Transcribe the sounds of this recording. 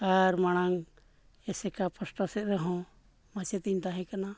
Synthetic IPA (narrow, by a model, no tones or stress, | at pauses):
aɾmaɽ̃aŋ | ɛsɛkapəsʈasɛt̪̚ɾɛɦɔ̃ | mat͡ʃɛt̪iɲʈaɦɛ̃kana